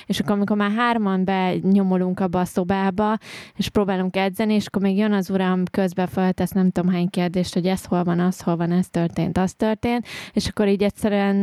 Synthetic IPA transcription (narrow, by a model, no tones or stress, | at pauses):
eːʃɒkːoɾmiko̞ɾmaːrɦaːɾmɒmbɛɲo̞mo̞luŋkɒbːɒːso̞baːbɒeʃpɾoːbaːluŋkɛd̪zɛnieːʃɒ̥kːo̞rmeːɡjønɒzuɾɒmkøzbɛfølt̪ɛsnɛmt̪o̞mɦaːɲkeːrd̪eːʃt̪ho̞ɟɛsho̞lvɒnɒsho̞lvɒnɛst̪ørt̪eːnt̪ɒst̪ørt̪eːnt̪eʃɒkːo̞ɾiːɟɛtʲsɛɾyɛn